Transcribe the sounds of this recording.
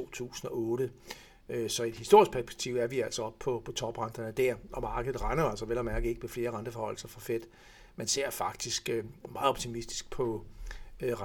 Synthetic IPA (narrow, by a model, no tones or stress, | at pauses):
o̝̰ːt͡sʰṵːsn̩ɒ̽ɔːɾə | øsɒ̽e̝d̥hisd̥o̝ɐ̰isɡ̥̚pʰæɐsb̥e̥ɡ̥̚t͡sʰiʊ̰æɐʋiæl̰sɒ̽ɒ̽b̥pʰɒ̽pʰɒ̽t͡sʰɒ̽b̥ʁɑ̈nd̥ɐnəd̥æɐʔɒ̽mɑ̈ːɡ̥əð̩ˠʁɑ̈ɪnɐæl̰sɒ̽ʋelɒmæɐɡ̥ð̩ˠe̝ɡ̥əmefle̝ːɐʁɑ̈nd̥əfɒhɒ̽l̩sɐfɒ̽fed̥ | mænse̝ɐ̰fɑ̈ɡ̥̚d̥isɡ̥ømɑ̈ːð̩ˠɒ̽b̥t͡sʰimisd̥i̥sɡ̥̚pʰɒ̽ | ʁ